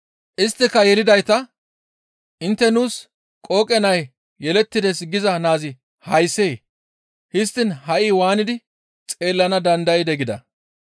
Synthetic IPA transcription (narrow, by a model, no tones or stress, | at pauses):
ʔɪst̪ːɪkːɐjɛlɪd̪ɐjt̪ɐ | ʔɪnt̪ːɛnuːs | kʼo̞ːkʼɛnɐj | jɛlɛt̪ːɪd̪ɛsɡɪzɐnaːzɪ | hɐjseː | hɪs̬t̪ːɪnɦɐʔiːwaːnɪd̪ɪ | t͡sʼe̞ːlːɐnɐd̪ɐnd̪ɐjɪd̪ɛɡɪd̪ɐ̰